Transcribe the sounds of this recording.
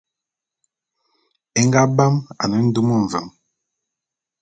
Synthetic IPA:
ɛ˦ŋɡa˦ba˦ma̰˨nə˨˦n̩˦du˦mo˦˨ɱ˨və˨m

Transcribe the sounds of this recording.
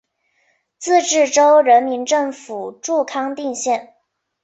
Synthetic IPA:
t͡sɹ̩˥˧ʈ͡ʂɻ̩˥˩ʈ͡ʂo˥ʊɻə˧˥nmi˧˥nʈ͡ʂɤ˥˩ŋfu˨˩ʈ͡ʂu˥˩kʰɑ˥ŋt̪i˥˧ŋɕjɛ˥˩n

